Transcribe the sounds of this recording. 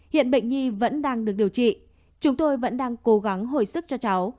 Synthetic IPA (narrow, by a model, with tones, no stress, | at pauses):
hḭ˧˨ənɓə̰˧˨jŋ̟ɲi˧və̰˧˥nɗaː˧ŋɗɨ˨˩ək̚ɗi˨˩əwt͡ɕḭ˧˨ | t͡ɕʊ˨˦ŋ͡mt̪o˧jvə̰˧˥nɗaː˧ŋko˨˦ɣa˨˦ŋɦo̰˧˨jsɨ˦˥k̚t͡ɕɔ˧t͡ɕa˨˦w